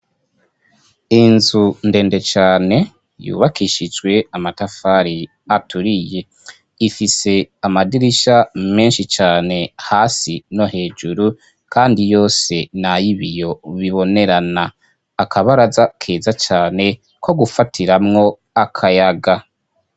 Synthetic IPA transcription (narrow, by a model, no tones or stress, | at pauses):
inzunde̞ːnde̞t͡ʃaːne̞ | jṵːβakiʃid͡ʒɡwe̞amatafaːɾi | atuɾije̞ | ifise̞amadiɾiʃame̞ːnʃit͡ʃaːne̞haːsino̞he̞ːd͡ʒuɾu | kʰaːndijo̞ːse̞najiβijo̞βiβo̞ne̞ɾanaː | kʰaβaɾazakʰeːzat͡ʃaːne̞ | kʰo̞ɡufatʰiɾamŋo̞ | akʰajaɡa